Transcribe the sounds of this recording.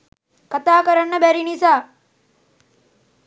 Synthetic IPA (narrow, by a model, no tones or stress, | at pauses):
kat̪aːkəɾanːəbæɾinisaː